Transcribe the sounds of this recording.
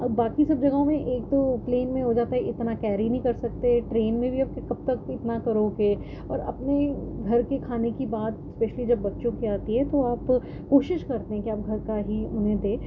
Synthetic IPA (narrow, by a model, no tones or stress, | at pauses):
ɐbaːkisɐb̚d͡ʒɐɡaomẽʔeːk̚t̪opleːnmẽɦod͡ʒaːt̪aɦɛɪt̪nakɛːɾinɐɦĩkɐɾsɐk̚t̪eɦɛʈɾeːnmẽbʱiaːp̚kekɐb̚t̪ɐkɪt̪nakɐɾoːɡe | ɔːɾɐ̰pneɡʱɐɾkekʰaːnekibaːt̪ɪspɛːʃlid͡ʒɐbːɐtːʃõkiaːt̪iɦɛt̪oaːp | koːʃɪʃkɐɾt̪eɦɛ̃kiaːp̚ɡʱɐɾkaɦiʊnẽd̪eː